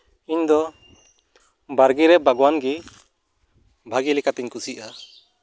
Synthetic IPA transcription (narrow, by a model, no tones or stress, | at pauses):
iɲd̪ɔ | baɾɡiɾɛbʱaɡɔwanɡi | bʱaɡilɛkat̪ɛɲkusiʔa